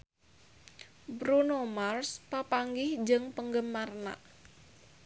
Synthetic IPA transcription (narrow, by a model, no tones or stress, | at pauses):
bɾunomarspapaŋɡɪhd͡ʒəŋpəŋɡəmːarna̰